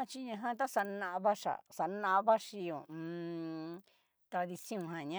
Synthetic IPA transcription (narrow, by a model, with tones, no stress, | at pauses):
t͡ʃi˦ɲã˧ɦã˧t̪a˦sa˧nã˧ʔβa˦ʂa̰˨sa˧nã˦ʔã˧βa˦ʂi˧õ˨˧ | t̪a˧ði˧sĩ˦ũ˧ɦã˨ɲã˦